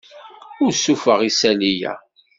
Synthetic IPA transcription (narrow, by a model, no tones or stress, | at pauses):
ʊɾsufəʁisælijæ̰